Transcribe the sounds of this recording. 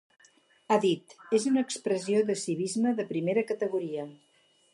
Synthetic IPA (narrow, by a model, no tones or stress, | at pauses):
aðit̪ezunəːkspɾəzioðəsiβ̞izməðəpɾimeɾəkət̪əɣ̞uɾiə